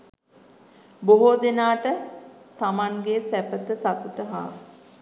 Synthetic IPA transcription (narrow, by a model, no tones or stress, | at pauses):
boɦod̪enaːʈət̪amaŋɡesæpət̪əsat̪ut̪əɦa̰ː